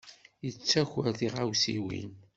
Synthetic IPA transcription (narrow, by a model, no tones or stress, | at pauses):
jət͡sːæçæɾðiʁawsiwḭn